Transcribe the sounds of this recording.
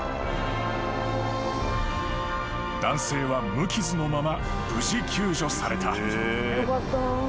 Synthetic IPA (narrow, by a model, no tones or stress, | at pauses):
d̪̥ãɰ̃se̞ːβamɯ̟kʲizɨno̞mama | b̥ɯ̟ʑikʲʰɨːʑo̞saɾe̞t̪ʰa | t̪ː